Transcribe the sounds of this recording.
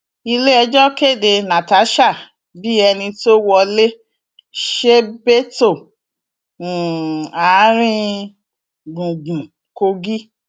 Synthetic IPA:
i˧le˦ɛ˧d͡ʒɔ˦ke˦˨de˧nã˨ta˨˦ʃa˦˨ | bi˦ɛ˧nĩ˧to˦wɔ˧le˦ | ʃe˦be˦to˦˨ | a˨˦ɾ̃ĩ˦ | ɡũ˨ɡũ˨ | ko˧ɡi˦

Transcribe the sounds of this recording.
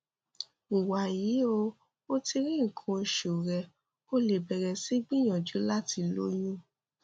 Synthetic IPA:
u˨wa˨jiː˨˦o˧ | o˦ti˧ɾĩ˦˨ŋ̩˨kʰũ˨˧ʃu˨ɾɛ˧ | o˦le˨bɛ˨ɾɛ˧si˦ɡ͡bĩ˦j̃ã˨d͡ʒu˨˦la˦ti˧lo̰˦jũ˦

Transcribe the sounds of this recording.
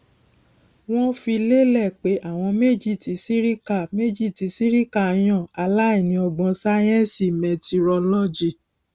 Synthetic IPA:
w̃ɔ̃˦fi˧le˦lɛ˦˨k͡pe˨˦ʔa˦˨w̃ɔ̃˧me˦d͡ʒi˦˨ti˨˧˦si˦ɾi˦ka˦˨me˦d͡ʒi˦˨ti˨˧˦si˦ɾi˦ka˦˨˧j̃ɔ̃˦˨a˧la˦i˦˨nĩ˧˦ɔ˧ɡ͡bɔ̃˧sa˦jɛ̃˦si˦˨mɛ˨ti˧ɾɔ˧lɔ˦d͡ʒi˦˨

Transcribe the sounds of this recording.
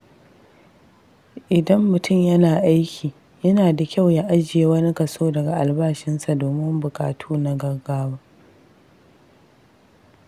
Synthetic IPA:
ʔɪ˨dɐ˦mːʊ˨tʰʊ˦˨mjɐ˦naː˨ʔa˦jkʲʰiː˨ | jɐ˦naː˨da˨kʲa˦˨wja˦ʔa˦d͡ʒɪ˨jeː˦wɐ˦ni˦kɐ˨soː˦dɐ˨ɡa˨ʔa˨lbaː˦ʃɪ˦nsa˨doː˨mɪ˦mbʊ˨kʼa̰ː˨tʰuː˦na˦ɡɐ˦rɡaː˦waː˦

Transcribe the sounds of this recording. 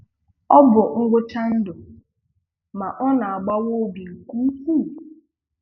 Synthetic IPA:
ɔ˦bʊ˨ŋ̩˦ɡʊ˦ta˦n̩˦dʊ˨ | ma˨ʔɔ˦na˨a˨ɡ͡ba˦wo˦bi˨ŋ̩˨kʷu˦kʷu˦˨

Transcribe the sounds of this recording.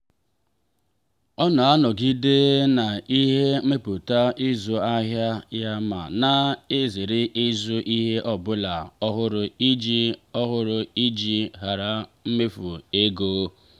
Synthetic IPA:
ɔ˦nɔ˨a˦nɔ˨ɡi˦de˦na˨i˦ɦe˦m̩˦me˦pu˨ta˦ʔi˦zu˨a˦ɦja˦ja˦ma̰˨na˨e˦ze˨ɾɪ˦ʔi˦zu˦ʔi˦ɦe˦ʔɔ˦bʊ˦la˨ɔ˦ɦʊ˦ɾʊ˨i˦d͡ʒi˦ɔ˦ɦʊ˦ɾʊ˨i˦d͡ʒi˦ɦa˨ɾa˨m̩˦me˦fu˨e˦ɡoː˦

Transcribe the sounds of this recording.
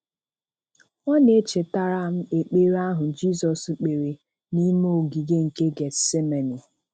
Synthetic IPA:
ɔ˦ne˦t͡ʃe˨ta˦˨ɾa˦˨m̩˦e˨k͡pe˦ɾa˦ɦʊ˨d͡ʒi˦sɔ˨sk͡pe˨ɾe˨ | ni˦m˦o˨ɡi˨ɡe˦ŋ̩˨ke˦ɡe˨se˦me˨ni˨

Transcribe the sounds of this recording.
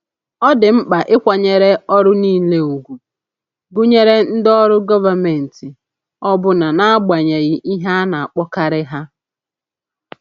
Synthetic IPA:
ɔ˦dɪ˨m̩˦k͡pa˨ʔɪ˦kʷa˨ɲe˨ɾe˦ɔ˦ɾʊ˦niː˦le˦u˨ɡʷu˨ | ɡʊ˦ɲe˦ɾe˦n̩˦dɔ˦ɾʊ˦ɡɔ˦va˨me˨n̩˨tɪ˨ | ɔ˦bʊ˦na˨na˦a˦ɡ͡ba˨ɲe˨ɣɪ˨ʔi˦ɦa˦na˨a˨k͡pɔ˦ka˦ɾɪ˦ɦa˦

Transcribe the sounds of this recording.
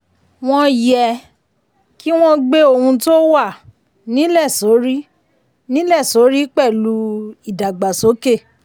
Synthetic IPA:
w̃ɔ̃˧jɛ˧ | ki˦w̃ɔ̃˦ɡ͡be˧˦o˦˨hũ˧to˦wa˦˨ | nĩ˨˦lɛ˦˨so˨˦ɾi˦ | nĩ˦lɛ˦˨so˨˦ɾi˦k͡pɛ˦˨lu˨˦i˨da˨ɡ͡ba˨so˨˦ke˦˨

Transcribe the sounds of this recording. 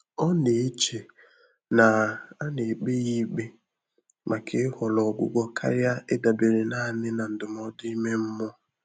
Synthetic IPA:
ɔ˦ne˨˦t͡ʃe˨ | na˨a˦ne˨k͡pe˦ɣi˦k͡pe˦ | mʔa˨kʰe˨˦hɔ˨lɔ˨ɡʷʊ̰˦ɡʷɔ˦kʰa̰˦ɾja˦e˦da˨be˨ɾe˨na˦˨nɪ˦na˨n̩˨dʊ˨m˨ɔ˨˦dʊ˦i˦me˦m̩˦mɔ˦

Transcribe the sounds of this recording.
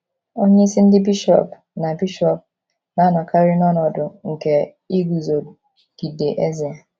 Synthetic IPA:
o˦ɲe˦i˦si˦n̩˦dɪ˦bi˦ʃɔ̰˦˨p | na˨bi˦ʃɔ˦p̚ | na˨˦nɔ˨kʰa˦ɾɪ˦nɔ˦nɔ˨dʊ˨ŋ̩˨ke˦ | i˦ɡu˨zo˨ | ɡ̥i˨de˨ʔe˦ze˨a˨

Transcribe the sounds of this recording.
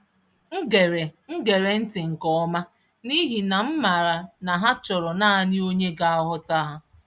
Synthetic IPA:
ŋ̩˦ɡe˨ɾe˨ŋ̩˦ɡe˨ɾe˨n̩˦tɪ˨ŋ̩˨kɔ˦˨ɔ˦ma˦ | ni˦ɦi˨na˨m̩˦ma˨ɾa˨na˨ɦa˦t͡ʃɔ˨ɾɔ˨na˦˨nɪ˦o˦ɲe˦ɡa˦a˦ɦʊ˦ta˦ɦa˦

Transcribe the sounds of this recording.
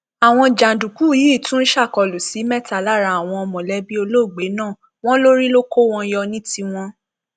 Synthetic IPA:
a˨w̃ɔ̃˧d͡ʒa˨dũ˨ku˦˨ji˨˦˨tũ˦n̩˦ʃa˦˨kɔ˧˨lu˨si˨˦mɛ˦˨ta˨la˦˨ɾa˧˦a˨w̃ɔ̃˧ɔ˧mɔ̃˨lɛ˦bi˦o˧lo˦˨ɡ͡be˨˦nãː˦˨ | w̃ɔ̃˦lo˦ɾi˦lo˦ko˦w̃ɔ̃˧jɔ˧nĩ˦ti˧w̃ɔ̃˧

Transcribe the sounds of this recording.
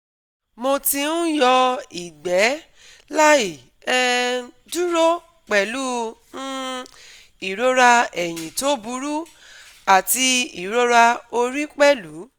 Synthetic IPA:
mo˧ti˧nũ˦jɔ˧i˨ɡ͡bɛ˨˦ | la˦i˨ | ɛ˧ | du˦ɾo˦ | k͡pɛ˨lu˦nũ˦ | i˨ɾo˦ɾa˧ɛ˨j̃ĩ˨to˨˦bu˧ɾu˦ | a˨ti˧i˨ɾo˦ɾa˧o˧ɾi˦k͡pɛ˦lu˨˦

